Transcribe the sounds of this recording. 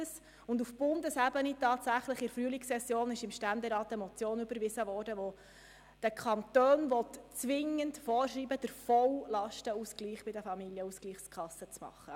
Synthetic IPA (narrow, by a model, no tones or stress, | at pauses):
əs | ʊndufb̥ʊndəsæbənitɑːtsæχləχɪɾfryəliksɛsjoːnɪʃɪmʃtændɛɾɑːtəmɔt͡sjoːnʏbəɾvɪzəvɔːrdəʋɔ | d̥əkʰɑnt̪øːnʋɔtt͡sʋɪŋəntfɔːɾʃriːbəd̥əɾfɔwlɑʃtəuskliːχb̥ɪdəfɑmiljəuskliːχskʰɑsːət͡smɑ̰χːə